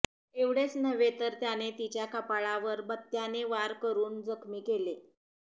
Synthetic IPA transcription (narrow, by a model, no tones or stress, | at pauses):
eʋɽ̤et͡snəʋet̪əɾt̪janet̪it͡ɕjakəpaɭaʋəɾbət̪ːjaneʋaɾkəɾuːnd͡zəkʰmiːkele